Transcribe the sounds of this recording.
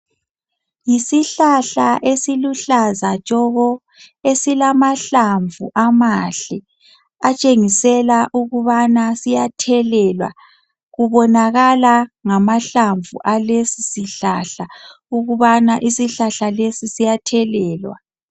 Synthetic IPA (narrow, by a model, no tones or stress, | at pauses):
jisiɬaɬaʔesiluɬazat͡ʃʼɔɣɔ | esilamaɬaɱvuʔamaɬɛ | at͡ʃʼeŋisɛlaʔuɣuβanasijatʰɛlɛlwa̰ | ɣuβɔnaɣalaŋamaɬaɱvṵʔalesisiɬaɬa | uɣuβanaʔisiɬaɬalesisijatʰɛlɛːlwa̰